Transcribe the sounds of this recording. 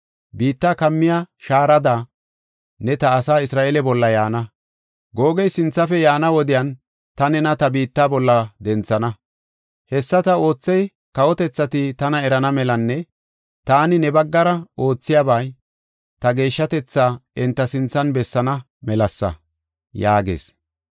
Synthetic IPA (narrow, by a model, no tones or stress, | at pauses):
biːt̪ːaːkɐmːɪjaʃaːɾɐd̪aː | nɛt̪ɐːsaːɪsɾaːʔeːlɛbɔlːɐjaːnɐ | ɡo̞ːɡɛjsɪnt͡sːɐfɛjaːnɐwɔd̪ɪjɐn | t̪ɐnɛnɐt̪ɐbiːt̪ːaːbɔlːɐd̪ɛnt͡sːɐnɐ | hɛsːɐt̪ɐo̞ːt͡sːɛj | kɐwɔt̪ɛt͡sːɐt̪ɪt̪ɐnɐɛɾɐnɐmɛlɐnːɛ | t̪aːnɪnɛbɐɡːɐɾɐo̞ːt͡sːɪjabɐj | t̪ɐɡe̞ːʃːɐt̪ɛt͡sːaːɛnt̪ːɐsɪnt͡sːɐnbɛsːɐnɐ | mɛlɐsːɐ̰ | jaːɡḛːs